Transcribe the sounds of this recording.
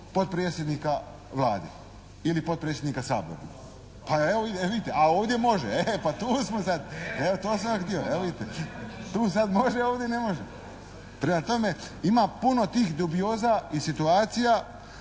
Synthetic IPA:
po̞dt̪̚pɾeːt̪sjed̪niːka | ʋlaːd̪ḛ | ilipo̞t̪̚pɾet̪sjed̪nikasa̰ːbo̰ɾa | paeoieʋid̪it̪eʔaoːʋd̪je̞mo̞ʒeepat̪uːsmosad̪eot̪oːs̬amjakt̪ioeid̪it̪et̪uːs̬ad̪mo̞ʒeoːʋd̪jene̞mo̞ʒe | pɾemat̪o̞me̞ | imapuno̞t̪iːxd̪ubijo̞ːzaisit̪uaːt̪sija

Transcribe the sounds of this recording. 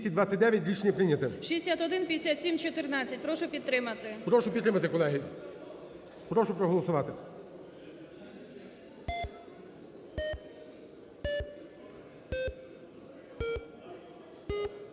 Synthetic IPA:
sʲɐt̚ʲd̪ʋat͡sʲːɐt̚ʲd̪ɛʋʲjɐtʲɾʲit͡ʃnʲipɾɪnʲɐt̪ɪʃʲiesʲat̪ɔd̪ɪnpʲiesʲat̪ʲsʲimt͡ʃɔt̪ɪrnɑt͡sʲːɐt̚ʲpɾɔʃʊpʲid̪̚ɾɪmɐt̪ɪpɾɔʃʊpʲit̪ːɾɪmɐt̪ɪkɔlˠɛɦi | pɾɔʃʊpɾɔɦɔlˠɔsʊʋɑt̪ɪ

